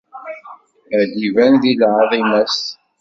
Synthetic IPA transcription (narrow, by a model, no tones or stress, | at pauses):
ədivænðilʕəðˤimæs